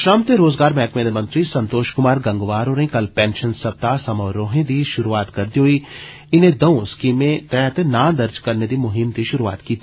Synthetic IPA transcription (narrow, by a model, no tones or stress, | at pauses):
ʃɾɐmt̪eɾoːzɡaːɾmɛːkmẽd̪emɐ̃nt̪ɾisɐ̃nt̪oːʃkʊmaːɾɡɐ̃ŋɡʋaːɾɦoːɾɐĩkɐlpɛ̃ːnʃənsɐb̚t̪asɐməːɾoːɦẽd̪iʃʊɾuaːt̪kɐɾd̪iɦoi | ɪnẽd̪ɐũɪskiːmẽt̪ɛːt̪enãːd̪ɐɾd͡ʒkɐɾned̪imʊɦɪmd̪iʃʊɾua̰ːt̪kiːt̪i